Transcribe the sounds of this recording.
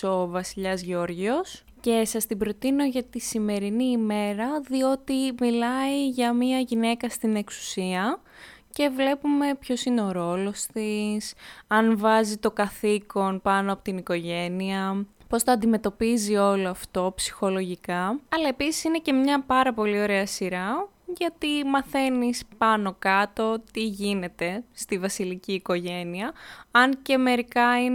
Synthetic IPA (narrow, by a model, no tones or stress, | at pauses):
o̞vɐsiʎɐzʝo̞ɾʝio̞s | ce̞sɐst̪ibɾo̞t̪ino̞ʝɐt̪isime̞ɾiniːme̞ɾɐðio̞t̪imilɐiʝɐmiɐʝine̞kɐst̪ine̞ksu̥siɐ | ce̞vle̞pume̞pço̞sineo̞ɾo̞lo̞st̪isɐnvɐzit̪o̞kɡɐθiko̞npɐnoɐpo̞t̪iniko̞ʝe̞niɐ | po̞st̪oɐːnd̪ime̞t̪o̞pizio̞loɐft̪o̞psi̥xo̞lo̞ʝikɐɐlɐe̞pisi̥sine̞ce̞mɲɐpɐɾɐpo̞lio̞ɾe̞ɐsiɾɐ | ʝɐt̪imɐθe̞nispɐno̞kɐt̪o̞t̪iʝine̞t̪e̞st̪ivɐsiliciːko̞ʝe̞niɐɐnce̞me̞ɾikɐin